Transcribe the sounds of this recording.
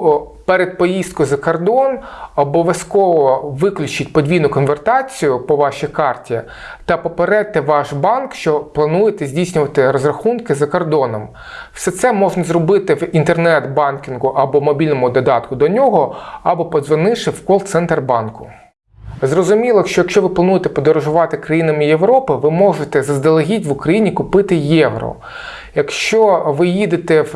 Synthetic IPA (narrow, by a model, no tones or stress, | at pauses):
pɛɾed̪̚pɔjisd̪̚kɔjzɐkɔrd̪ɔnɔbɔʋʲjɐskɔʋɔʋɪklʲʊt͡ʃɪtʲpɔdʲʋʲijnʊkɔnʋert̪ɑt͡sʲijʊpɔʋɑʃikɑrtʲi | t̪ɐpɔpeɾɛt̪ɪʋɑʃbɑnkʃt͡ʃɔplˠɐnujet̪ɛzʲdʲijsʲnʲʊʋɐt̪ɪɾɔzrɐxunkɪzɐkɔrd̪ɔnɔm | w̥sɛt̪sɛmɔʒnɐzrɔbɪt̪ɪwint̪ernɛt̪bɑnkʲinɦʊʔɐbɔmɔbʲilʲnɔmʊd̪ɔd̪ɑt̪kʊd̪ɔnʲɔɦɔɐbɔpɔzʋɐnɪʃɪwkɔlˠt̪sɛnt̪rbɑnkʊ̥̰ | zrɔzʊmʲilˠɐjkʃt͡ʃɔjɐkʃt͡ʃɔʋɪplˠɐnujt̪ɛpɔd̪ɔɾɔʒʊʋɑt̪ɪkɾɐjinɐmɪjeʋɾɔpɪʋɪmɔʒɪt̪ɛzɐzd̪ɐlˠɐɦʲitʲʋʊkɾɐjinʲikʊpɪt̪ɪjɛʋɾɔ̰ | jɐkʃt͡ʃɔʋɪjid̪ɪt̪ɛw